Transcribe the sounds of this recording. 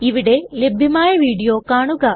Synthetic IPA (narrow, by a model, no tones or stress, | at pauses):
iʋiɽe̞lebʱjɐmaːjɐʋiːɽijoːkaːɳuɣɐ